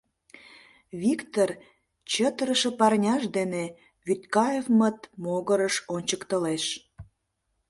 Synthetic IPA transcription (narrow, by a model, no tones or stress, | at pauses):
βikt̪or | t͡ɕət̪əɾəʃə̆pɑrnʲɑʃd̪ene | βyt̪kɑjevmət̪̚moɣəɾəʃonʲt͡ɕəkt̪əleʃ